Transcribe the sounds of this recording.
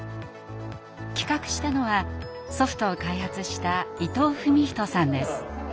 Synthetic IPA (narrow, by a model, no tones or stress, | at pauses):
kʲi̥kakɯ̟̥ɕi̥t̪ano̞βaso̞ɸɯ̟̥t̪o̞ːkaihat͡sɨɕi̥t̪ait̪o̞ːɸɯ̟mʲiç̥t̪o̞sãnd̪e̞sɨ̥